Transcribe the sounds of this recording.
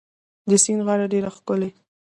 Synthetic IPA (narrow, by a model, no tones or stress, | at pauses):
d̪əsinɣɑɽaɖeɾaxkʊle